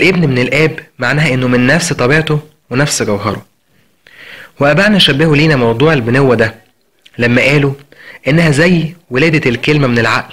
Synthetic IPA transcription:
lʔebnmenelʔæːbmaʕnæːɦæʔenːomenːæfst̪ˤɑbiːʕet̪o | wenæfsɡæwɦɑɾˤo | weʔæbaʕnæʃæbːehuliːnæmɑwd̪ˤuːʕelbenowːæd̪æ | læmːæʔæːloʔenːæhæzæjːwelæːd̪ælkelmæmenelʕa̰ʔl

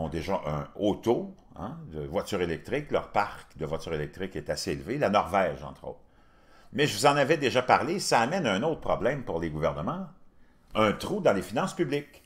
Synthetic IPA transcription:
ɔ̃d̪eʒaʔə̃ot̪o | ɛ̰̃d̪əvwat͡syːʁelɛk̚t̪ʁɪklœ̰ʁpaʁkd̪əvwat͡syːʁelɛk̚t̪ʁɪkɛt̪aseelvelanɔʁvɛːʒɑ̰̃t̪ʁo̰ːt̪χ | mɛʒəvuzɑ̃navɛd̪eʒapaʁlesaːmɛnaɛ̃noʊt̪χə̥pʁɔblɛ̃mpuʁleɡuvɛʁnəmɑ̃ | œ̃t̪ʁud̪ɑ̃lefinɑ̃spyblɪk

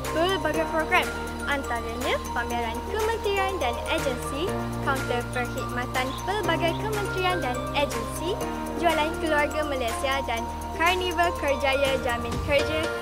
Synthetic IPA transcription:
pəlbaɡapɾoɡɾam | ʔant̪aɾaɲãpamiɾankəmə̃nt̪ɾiandanad͡ʒənsi | kawnt̪əpərhid̪̚mãt̪anpəlbaɡajkəmə̃nt̪ɾiandan | ad͡ʒənsi | d͡ʒualankəluarɡamalajsiadan | karnivakərd͡ʒajad͡ʒamãnkərd͡ʒa

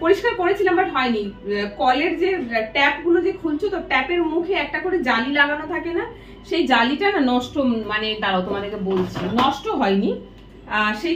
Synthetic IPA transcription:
poɾiʃkaɾkoɾet͡ɕʰilambaʈɦɔenikɔleɾd͡ʑeʈɛpɡulod͡ʑekʰult͡ɕʰot̪oʈɛpeɾmukʰeɛk̚ʈakoɾed͡ʑalilaɡanot̪ʰakena | ʃejd͡ʑaliʈanɔʃʈomanet̪aɾaot̪omad̪eɾkebolt͡ɕʰenɔʃʈoɦɔeni | ʃe

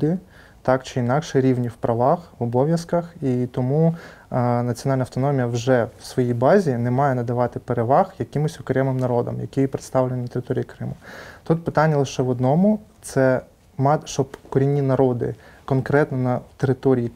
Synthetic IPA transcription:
d̪ɪ | t̪ɑkt͡ʃɪinɑkʃɛɾʲiʋnʲiwpɾɐʋɑxʋɔbɔʋʲjɐskɐxit̪ɔmu | nɐt͡sʲijɔnɑlʲnɐwt̪ɔnɔmʲijɐwʒɛwsʋɔjijbɑzʲinɛmɑjɛnɐd̪ɐʋɑt̪ɪpeɾeʋɑxjɐkʲɪmɔsʲɔkɾɛmɪmnɐɾɔd̪ɔ̰mjɐ̰kɪjipɾet̪st̪ɑwlʲnʲnɐt̪eɾɪt̪ɔɾʲijikɾɪmʊt̪ut̪̚pɪt̪ɑnʲːɐlˠɪʃɛʋɔd̪nɔmʊt̪sɛ | mɑʃt͡ʃɔbkɔɾʲinʲːinɐɾɔd̪ɪ̰kɔnkɾɛt̪nɔnɐt̪eɾɪt̪ɔɾʲiji

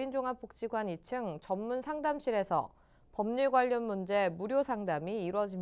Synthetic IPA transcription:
ind͡ʑoŋap͈ʰok̚t͡ɕ͈iɡwanit͡ɕʰɯŋt͡ɕʌmːunsʰaŋdamɕ͈ʰiɾe̞sʰʌ̰ | pʌmɲiɭɡwaʎːʌnmund͡ʑe̞muɾjosʰaŋdamiːɾwʌd͡ʑim

